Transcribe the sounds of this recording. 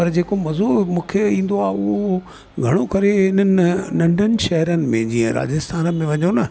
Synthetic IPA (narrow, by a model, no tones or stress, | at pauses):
pɐɾd͡ʑeːkomɐzomũːkʰeĩːn̆d̪oaːʊɦo | ɡʱɐɽ̃okɐɾeɦɪn̤ənɪ̆ɪ̆nɐ̃ɳɖʱənɪ̆ʃɐɦɾənɪ̆mẽd͡ʑĩːə̃ɾa̰ːd͡ʑɪst̪ʰaːnəmẽʋɐɲonɐ